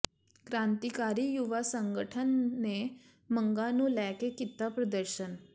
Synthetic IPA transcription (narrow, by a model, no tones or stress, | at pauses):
kɾãnt̪ikaɾiːjuʋasəŋɡəʈʰənːe | məŋɡanũːlɛkekit̪ːapɾəd̪əɾɕən